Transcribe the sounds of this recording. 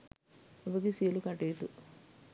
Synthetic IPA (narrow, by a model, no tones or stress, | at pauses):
ʋɐɡisiːlukɐʈeːt̪u